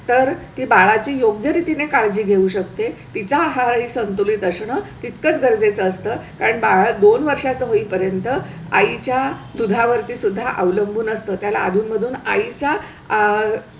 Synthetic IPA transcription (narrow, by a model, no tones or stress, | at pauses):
t̪əɾt̪iːbaɭat͡ɕiːjoɡjəɾit̪inekaɭd͡ʑiːɡʱeuːɕək̚t̪et̪it͡saɦaɦiːsənt̪ulit̪əɕɳət̪it̪kət͡sɡəɾd͡zet͡səːst̪əːkaɾəɳbaɭad̪onʋəɾʂat͡səːɦoiːpəɾjənt̪ə | a̰it͡ɕjad̪ud̪ʱaʋəɾt̪iːsud̪ʱːaʔə̰ʋləmbʱuːnəst̪əːt̪jala̰ːd̪ʱuːnməd̪ʱuːna̰it͡sa